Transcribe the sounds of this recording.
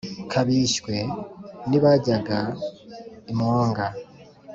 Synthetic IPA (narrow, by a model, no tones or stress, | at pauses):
kʰaβiːʃkwe̞niβaɟaɡa | imoːŋɡa